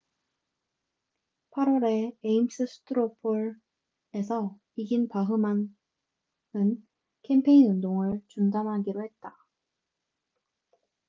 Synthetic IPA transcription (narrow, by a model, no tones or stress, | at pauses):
pʰaɾoɾe̞eims͈ʰɯsʰɯ̥tʰɯɾopʰoɾ | e̞sʰʌ | iɡinpaɦɯman | ɯn | kʰe̞mpʰe̞iundoŋɯɭt͡ɕundanɦaɡiɾohe̞t̚t͈a